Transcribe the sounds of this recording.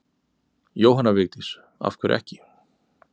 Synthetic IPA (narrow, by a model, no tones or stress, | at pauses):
joːwɦanːavɪɣt̪ɪs | a̰fkʰvɪɾʔɛ̰hcɪ